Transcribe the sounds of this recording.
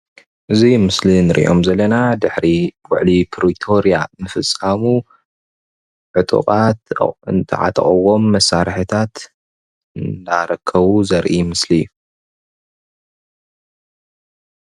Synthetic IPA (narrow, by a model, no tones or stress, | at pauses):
ʔɨzimɨslinɨɾʔḭʔo̞mzɐlːɐnad̪ɨħɾiwʊ̰ʕlipʰɾit̪ʰo̞ɾija̰nɨfɨsʼamu | ʕɨt̪ʼṵqʼat̪ɨnt̪ʰɨ̰ʕa̰t̪ʼɐ̰χʼɐwo̞mːɐsːaɾħɨt̪ʰat̪ | ɨnd̪aɾɐkʰːɐβuzɐɾʔimɨslijːu